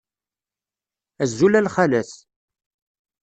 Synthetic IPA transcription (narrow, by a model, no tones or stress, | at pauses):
æzːulælχælæθ